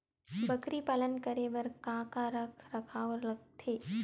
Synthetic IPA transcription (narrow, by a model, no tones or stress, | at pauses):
bəkɾipalənkəɾeʋɐɾkãːkaɾɐkʰɾɐkʰaːlɐɡ̚t̪ʰeː